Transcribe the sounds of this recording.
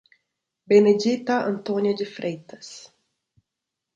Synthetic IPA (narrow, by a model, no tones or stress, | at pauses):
bened͡ʒit̪ɐɐ̰̃nt̪onjɐd͡ʒɪfɾejt̪ɐs